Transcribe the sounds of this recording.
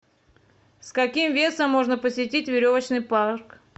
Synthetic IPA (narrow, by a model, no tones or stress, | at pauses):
skɐkʲimvʲe̞səmːo̞ʐnəpəsʲɪtʲitʲvʲɪɾʲo̞vət͡ɕnɨjpark